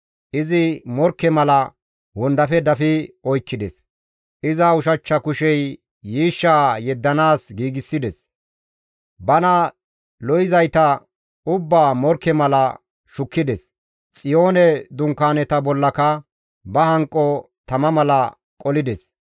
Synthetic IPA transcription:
ʔɪzɪmɔɾkːɛmɐlɐ | wʊnd̪ɐfɛd̪ɐfɪɔjkːɪd̪ɛs | ʔɪzɐʊʃɐt͡ʃːɐkʊʃɛjː | iːʃːaːjɛd̪ːɐnaːsɡiːɡɪsːɪd̪ɛs | bɐnɐ | lɔjɪzɐjt̪ɐ | ʊbːaːmɔɾkːɛmɐlɐ | ʃʊkːɪd̪ɛs | t͡sʼɪjo̞ːnɛd̪ʊŋkːaːnɛt̪ɐbɔlːɐkɐ | bɐhɐŋkʼːɔ | t̪ɐmɐmɐlɐ | kʼɔlɪd̪ɛs

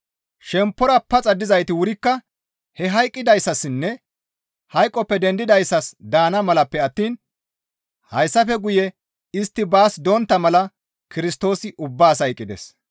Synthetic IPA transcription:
ʃɛmpːɔɾɐpːɐt͡sʼɐd̪ːɪzɐjt̪ɪwʊɾɪkːɐ | hɛɦɐjkʼːɪd̪ɐjsːɐsɪnːɛ | hɐjkʼːɔpːɛd̪ɛnd̪ɪd̪ɐjsːɐsd̪aːnɐmɐlɐpːɛɐt̪ːiːn | hɐjsːɐfɛɡʊjɛ | ɪst̪ːɪbaːsd̪ɔnt̪ːɐmɐlɐ | kɪɾɪst̪o̞ːsɪʔʊbːaːsɐjkʼːɪd̪ɛ̰s

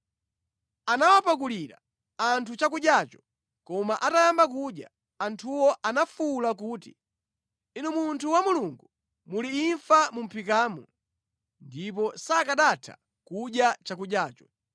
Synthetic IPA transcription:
anawapak̬uliɾa̰ | antʰut͡ʃak̬uɗjat͡ʃɔ̥ | kɔmaʔatajambakuɗja | antʰuwɔʔanafulak̬uːtḭ | inɛmuntʰuwamuluŋɡu | muliːɱfamum̩pʰikaːmɔ | ndipɔsakaɗatʰa̰ | kuɗjat͡ʃakuɗjaːt͡ʃɔ̥

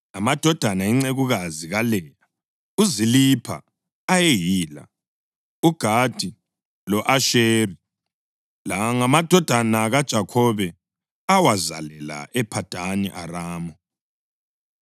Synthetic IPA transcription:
amad̥ʱɔd̥ʱanaiŋ͡ǀeɣuɣaziɣalɛja | uzilipʰa̰ | ajejiːla̰ | uɡ̥ʱad̥ʱi | lɔʔaʃeːri | laŋamad̥ʱɔd̥ʱanaɣad̥ʒ̥ʱakʰɔβɛ | awaza̰lɛla̰ʔɛpʰad̥ʱanḭʔaɾaːmɔ

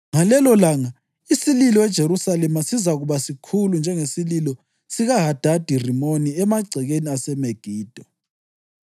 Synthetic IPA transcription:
ŋalɛlɔlaŋa | isililɔɛd̥ʒ̥ʱeɾusalɛmasizaɣuβasikʰulund͡ʒʱɛŋesililɔ | siɣaɦad̥ʱad̥ʱirimoniɛmaɡ͡ǀʱɛɣeniasɛmeɡ̥ʱiːd̥ʱɔ

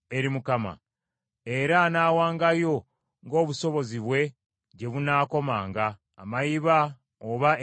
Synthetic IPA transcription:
e̞ɾimukama̰ | e̞ɾanaːwaːŋɡajo̞ | ŋɡo̞ːβuso̞βo̞ziβwe̞ | ɟe̞βunaːko̞maːŋɡa̰ː | majiβa | oβa

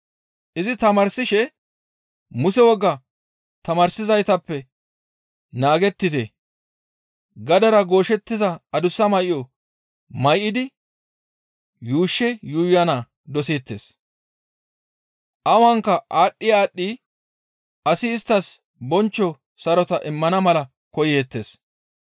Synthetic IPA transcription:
ʔɪzɪt̪ɐmɐɾsɪʃɛ | mʊsɛwɔɡːɐ | t̪ɐmɐɾsɪzɐjt̪ɐpːɛ | naːɡɛt̪ːɪt̪ɛ | ɡɐd̪ɐɾɐɡo̞ːʃɛt̪ːɪzɐɐd̪ʊsːɐmɐjjɔ | mɐjʔɪd̪ɪ | juːʃːɛjuːjɐna | d̪ɔsiːt̪ːḛːs | ʔɐwɐŋkːɐʔaːɗːɪjaːɗːi | ɐsɪːst̪ːɐs | bɔnt͡ʃːɔ | sɐɾɔt̪ɐʔɪmːɐnɐmɐlɐ | kɔjeːt̪ːeːs

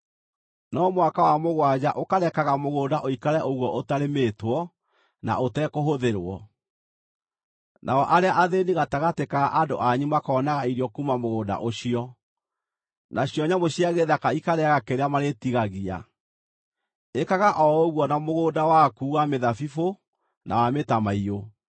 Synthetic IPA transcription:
nɔmwakawamoɣwad͡ʑaʔokaɾɛkaɣamoɣoːdaʔoikaɾɛʔoɣwɔʔotaɾemeːtwɔ | na̰otɛkoɦoðeɾwɔ̰ | nʔa̰ɔʔaɾeaʔaðeniɣataɣatekaʔado̰ʔaɲimakaɔnaɣaiɾjɔkumamoɣoːda̰ʔoɕiɔ | naɕiɔɲamoɕiaɣeðakaikaɾɛɣakeɾeamaɾetiɣaɣia̰ | ekaɣaʔɔoɣwɔnamoɣoːdawakuːɣameðafifo | na̰wametamaio

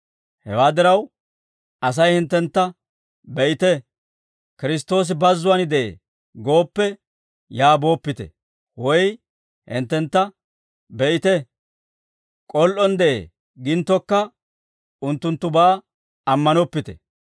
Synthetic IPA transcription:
hɛwaːd̪ɪɾɐw | ʔɐs̬ɐjhɪnt̪ːɛnt̪ːɐ | bɛʔɪt̪ɛ | kɪɾɪs̬t̪o̞ːs̬ɪbɐzːʊwɐnɪd̪ɛʔḛː | ɡo̞ːpːɛ | jaːbo̞ːpːɪt̪ɛ̰ | wɔj | hɪ̰nt̪ːɛnt̪ːɐ | bɛʔɪt̪ɛ | kʼɔlʔɔnd̪ɛʔḛː | ɡɪnt̪ːɔkːɐ | ʊnt̪ːʊnt̪ːʊbaː | ɐmːɐnɔpːɪt̪ɛ̰

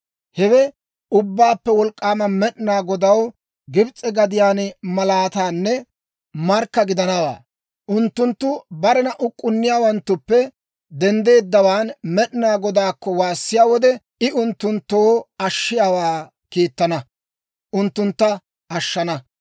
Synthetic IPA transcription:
hɛwɛ | ʊbːaːpːɛwɔlkʼːaːmɐmɛɗnaːɡɔd̪ɐw | ɡɪbt͡sʼːɛɡɐd̪ɪjaːnmɐlaːt̪aːnːɛ | mɐɾkːɐɡɪd̪ɐnɐwa̰ː | ʔʊnt̪ːʊnt̪ːʊbɐɾɛnɐʔʊkʼːʊnːɪjaːwɐnt̪ːʊpːɛ | d̪ɛnd̪e̞ːd̪ːɐwaːnmɛɗnaːɡɔd̪aːkːɔwaːsːɪjaːwɔd̪ɛ | ɪʔʊnt̪ːʊnt̪ːoːɐʃːɪjaːwaː | kiːt̪ːɐnɐ | ʔʊnt̪ːʊnt̪ːɐ | ɐʃːɐnɐ

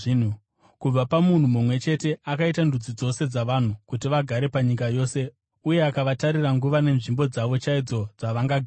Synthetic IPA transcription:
n̤u | kub͡vapamun̤umumwe̞t͡ʃe̞te̞akaitandud͡zid͡zo̞se̞d͡zaʋan̤ukutiʋaɡʱaɾe̞paɲikajo̞ːse̞ | uje̞akaʋataɾiraŋɡuʋane̞nʐimbo̞d͡zaʋo̞t͡ʃaid͡zo̞d͡zaʋaŋɡaɡʱ

